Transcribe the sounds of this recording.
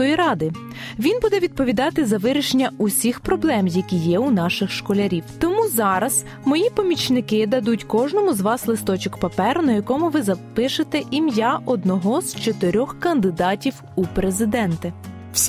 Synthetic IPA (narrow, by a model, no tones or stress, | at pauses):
ɔjiɾɑd̪ɪ | ʋʲinbud̪ɛʋʲid̪̚pɔʋʲid̪ɑt̪ɪzɐʋɪɾʲɪʃenʲːɐusʲixpɾɔblˠɛmjɐkʲijɛunɑʃɪxʃkɔlʲɐɾʲiwt̪ɔmuzɑɾɐz̥ | mɔjipɔmʲit͡ʃnɪkɪd̪ɐd̪utʲkɔʒnɔmʊzʋɑslˠɪst̪ɔt͡ʃɔkpɐpɛrnɐjɐkɔmʊʋɪzɐpɪʃɪt̪ɛʔimjaʔɔd̪nɔɦɔzt͡ʃɔt̪ɪɾʲɔxkɐnd̪ɪd̪ɑtʲiw | upɾezɪd̪ɛnt̪ɪ